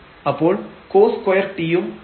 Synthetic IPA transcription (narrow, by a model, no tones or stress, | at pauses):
ɐpːoːɭkoːskɔjɐɾt̪ːɪjɯm